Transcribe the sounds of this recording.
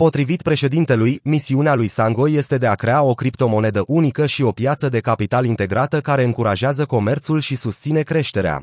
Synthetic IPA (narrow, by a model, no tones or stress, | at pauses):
po̞t̪ɾivit̪pɾe̞ʃe̞d̪int̪e̞lujmisiunealujsaŋɡo̞je̞st̪e̞d̪e̞akɾe̞ao̞kɾipt̪o̞mo̞ne̞d̪əʔunikəʃio̞pjat̪səd̪e̞kapit̪alint̪e̞ɡɾat̪əkaɾe̞ɨŋkuɾaʒeazəko̞me̞rt̪sulʃisust̪sine̞kɾe̞ʃt̪e̞ɾea̰